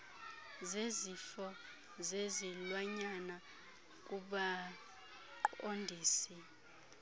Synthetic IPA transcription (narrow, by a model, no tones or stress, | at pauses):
zezifɔ | zezilwaɲana | k̬ʼuɓa | ǃondʱiːsi